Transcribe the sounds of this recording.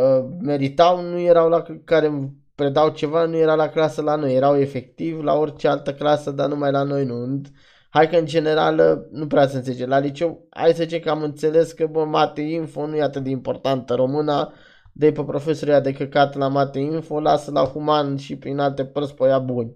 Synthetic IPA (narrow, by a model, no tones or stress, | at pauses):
əme̞ɾit̪awnuje̞ɾawlakaɾe̞m | pɾe̞d̪awt͡ʃe̞vanuje̞ɾalaklasəlano̞jːe̞ɾawe̞fe̞kt̪ivla̰o̞rʲt͡ʃe̞alt̪əklasəd̪anumajlano̞jnuɨnd̪ | hajkəɨnd͡ʒe̞ne̞ɾa̰lnupɾeasəɨnt̪seled͡ʒelalit͡ʃe̞wa̰jsəzit͡ʃekəamɨnt̪se̞le̞skəbəmat̪einfo̞nujeat̪ɨt̪d̪eimpo̞rt̪ant̪əɾo̞mɨna | d̪epepɾo̞fe̞so̞ɾujad̪e̞kəkat̪lamat̪einfo̞lasəla̰humanʃipɾinalt̪e̞pərspəjabunʲ